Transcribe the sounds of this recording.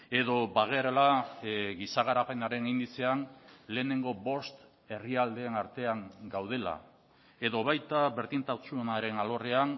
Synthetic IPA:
e̞ðo̞baɣeɾelaɣisaɣaɾape̞naɾe̞nind̪it͡se̞anle̞ːne̞ŋɡo̞bo̞st̪ | e̞riald̪e̞ːnaɾt̪e̞aŋɡawð̞e̞la̰ | e̞ðo̞βajt̪aβe̞ɾðint̪at͡sunaɾe̞nalo̞re̞an

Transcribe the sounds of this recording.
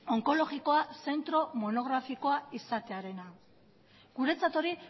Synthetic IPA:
o̞ŋko̞lo̞ɣiko̞ase̞nt̪ɾo̞mo̞no̞ɣ̞ɾafiko̞aisat̪eaɾe̞na | ɡ̥uɾe̞t͡sat̪o̞ɾi

